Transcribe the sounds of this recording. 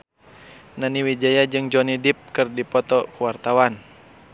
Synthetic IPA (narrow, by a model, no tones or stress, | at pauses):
naniwid͡ʒajad͡ʒɨŋd͡ʒɔnidip̚kɨrdipɔt̪ɔkuwart̪awan